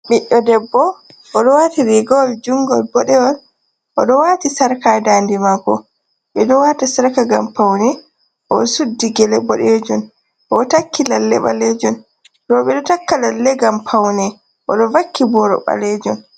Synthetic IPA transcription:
ɓiʔːɔdɛbːɔ | ʔɔɗɔwatiɾiɡɔld͡ʒuŋɡɔlbɔɗɛɔl | ʔɔɗɔwatisaɾkadaːndimakɔ̰ | ɓɛɗɔwaːtasaɾkaɡampawnɛ | ʔɔsudːiɡɛlɛbɔɗɛd͡ʒun | ʔɔtakːilalːɛ̰ɓa̰lɛd͡ʒɔn | ɾɔɓɛɗɔtakːalalːɛɡampʰawnɛ | ʔɔɗɔvakʰːibɔɾɔ̰ɓa̰lɛd͡ʒɔn

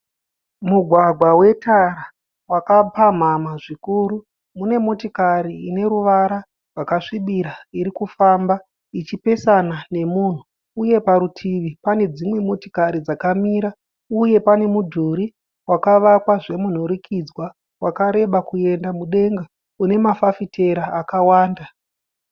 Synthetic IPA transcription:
muɡʱwaɡʱwawe̞taɾa | wakapam̤amaʐikuɾu | mune̞mo̞tikaɾiːne̞ɾuʋaɾa | rwakaʂiɓiɾaiɾikufamba | it͡ʃipe̞sanane̞muːn̤u | uje̞paɾutʰiʋipane̞d͡zimwe̞mo̞ti̥kaɾid͡zakamiɾa | uje̞pane̞mudʱuɾi | wakaʋakwaʐe̞mun̤uɾikʰid͡zwa | wakaɾe̞ɓakue̞ndamuɗe̞ŋɡa | une̞mafafitʰe̞ɾaːkawaːnda

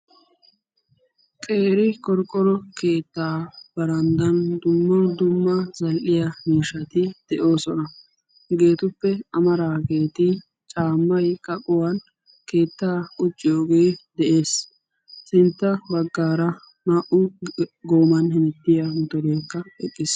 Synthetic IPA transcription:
kʼe̞ːɾɪkɔɾkʼːɔɾɔke̞ːt̪ːaːb̥ɐɾɐnd̪ɐnd̪ʊmːɐd̪ʊmːɐzɐlʔɪjɐmiːʃɐt̪ɪd̪̥ɛʔo̞ːsɔnɐ | ɡe̞ːt̪ʊpːɛɐmɐɾaːɡe̞ːt̪ɪ | t͡ʃʼaːmːɐjkʼɐkʼʊwɐn | ke̞ːt̪ːaːʊt͡ʃʼːɪjo̞ːɡe̞ːd̪ɛʔe̞ːs | sɪnt̪ːɐbɐɡːaːɾɐ | maʔʊɡo̞ːmɐnhɪnɛt̪ːɪjamʊt̪ɔɾeːkːɐɛkʼːɪs

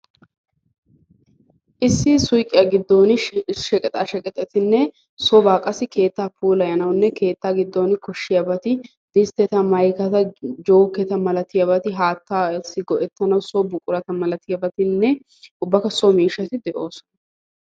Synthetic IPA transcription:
ʔɪsːɪsʊjkʼɪjɐɡɪd̪ːoːnɪʃɛkʼɛt̪ʼaːʃɛkʼɛt̪ʼːɛt̪ɪnːɛ | sɔbaːkʼɐsɪke̞ːt̪ːaːpuːlɐjɐnɐwnːɛke̞ːt̪ːaːɡɪd̪ːo̞ːnɪkɔʃːɪjɐbɐt̪ɪ | d̪̥ɪst̪ːɛt̪ɐmɐjkɐt̪ɐd͡ʒoːkːɛt̪ɐmɐlɐt̪ɪjɐbɐt̪ɪɦaːt̪ːaːsːɪɡɔʔɛt̪ːɐnɐwsɔbʊkʼʊɾɐt̪ɐmɐlɐt̪ɪjɐbɐt̪ɪnːɛ | ʔʊbːɐkɐsɔmiːʃːɐt̪ɪd̪ɛʔo̞ːsɔ̥nɐ

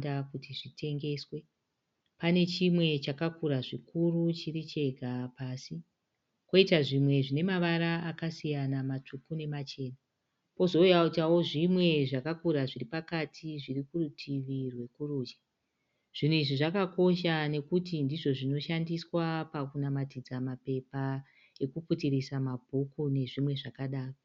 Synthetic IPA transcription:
dakutiʐitʰe̞ŋɡe̞ːswe̞ | pane̞t͡ʃimwe̞t͡ʃakakuɾaʐikuɾut͡ʃirit͡ʃe̞ɡʱapaːsi | ko̞itaʐimwe̞ʐine̞maʋaɾaakasijanamat͡ʂʰukune̞mat͡ʃe̞ːna | po̞zo̞ujautawo̞ʐimwe̞ʐakakuɾaʐiripakatʰiʐirikurutʰiʋirwe̞kuɾuːd͡ʒḁ | ʐ̥inuiʐiʐakako̞ʃane̞kutindiʐo̞ʐino̞ʃandiswapakunamatid͡zamape̞pa | e̞kuputiɾisamabʱukune̞ʐimwe̞ʐakaɗaːro

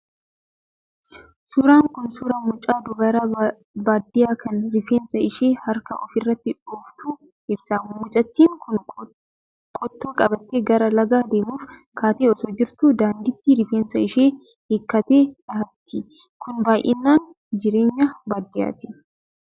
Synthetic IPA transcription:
sʊɾaːŋkʊnsʊɾɐmʊt͡ʃʼaːd̪ʊɡɐɾɐ | baːd̪ːɪjaːkʰɐnɾɪfeːnsɐɪʃeːhɐɾkɐ̰ʔɔfɪrːɐt̪ːɪᶑuːft̪uː | ʔɪbsaːnmʊt͡ʃʼɐt̪ːiːŋkʰʊn | kʼɔt̪ːoːkʼɐbɐt̪ːeːɡɐɾɐlɐɡaːd̪e̞ːmuːfkʰaːt̪eːɔsɔd͡ʒɪɾt̪ʊd̪aːnd̪ɪt̪ːiɾɪfeːnsɐɪʃeː | hekːɐt̪eːᶑɐhɐt̪ːɪkʊnbaːjʔɪ̰nːaːn | d͡ʒɪɾe̞ːɲːɐbaːd̪ɪja̰ːt̪ɪ̥

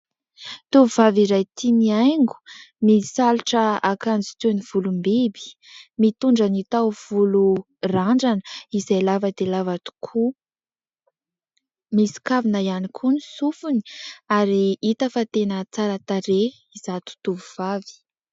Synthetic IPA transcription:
t̪uvuvaviɾajt̪iniajŋɡu̥misaluʈ͡ʂəakand͡zi̥t̪univ̥ulumbebi̥ | mit̪uɳɖ͡ʐənit̪awv̥ulu | raɳɖ͡ʐanəizajlavəd̪elavat̪u̥kʰu | misi̥kavinəianikʰunisufuni̥aɾiit̪əfat̪enət͡saɾat̪aɾe | izat̪u̥t̪uvuv̥avi̥

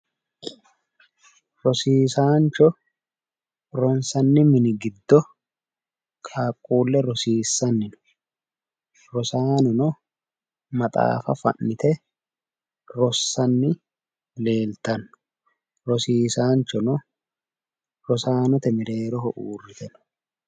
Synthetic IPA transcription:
ɾɔsiːsaːnt͡ʃɔ | ɾɔnsɐnːɪmɪnɪɡɪd̪ːɔ | kʰaːkʼːuːlːɛɾɔsiːsːɐnːɪnʊ̥ | ɾɔsaːnɔnɔ | mɐt̪ʼa̰ːfɐ̰fɐ̰nːɪt̪ɛ | ɾɔsːɐnːɪ | le̞ːlt̪ɐnːʊ̥ | ɾɔsiːsaːnt͡ʃɔnɔ | ɾɔsaːnɔt̪ɛmɪɾeːɾɔhɔʔuːrːɪt̪ɛnʊ̥

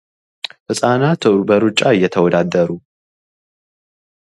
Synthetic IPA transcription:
fɨsʼanat̪ʰbəɾut͡ʃʼːaɨjːɛt̪ʰəwɔd̪ad̪əɾu

